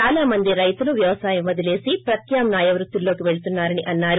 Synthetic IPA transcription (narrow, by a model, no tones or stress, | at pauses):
aːlaːmɐnd̪iɾɐjt̪uluʋjɐʋɐsaːjɐmʋɐd̪ɐle̞ːsipɾɐt̪jaːmnaːjɐʋɾut̪ːulːo̞ːkiʋe̞ɭut̪unːaːɾɐniʔɐnːaːɾu